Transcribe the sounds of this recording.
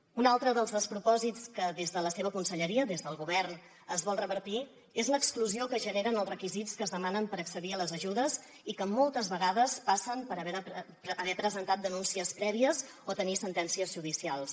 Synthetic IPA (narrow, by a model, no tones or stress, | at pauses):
unalˠt̪ɾəðəlˠzðəspɾupɔzit͡skəðezðələseβəkunsəʎəɾiəðezðəlˠɣuβɛrn | əzβɔlˠrəβəɾt̪i | ezləkskluziokəʒəneɾənəlˠzrəkizit͡skəːzðəmanəmpəɾəksəðiələzəʒuðəz | ikəmolˠt̪əzβəɣaðəspasəmpəɾəβɛɾ | əːβɛpɾəzənt̪at̪̚d̪ənunsiəspɾɛβiəz | ot̪ənisənt̪ɛnsiəzʒuðisialˠs